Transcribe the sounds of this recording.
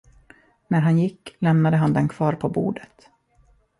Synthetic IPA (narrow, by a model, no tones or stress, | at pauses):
næɾɦanjɪkːlɛmnad̪əɦand̪ɛnkʰvɑːɾpʰɔbṵːɖ̪ət̪